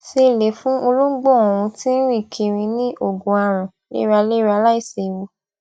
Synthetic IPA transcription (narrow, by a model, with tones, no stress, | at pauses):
se˧˨le˨fũ˦o˧lo˦ɡ͡bo˦˨ɔ̃˨ɾ̃ũ˧tĩ˦n̩˦ɾĩ˦˨kʰi˧ɾĩ˧nĩ˦ʔo˦˨ɡũ˨˦a˧ɾ̃ũ˨ | lḛ˦ɾa˧le˦ɾa˧la˦i˦˨se˨wo˧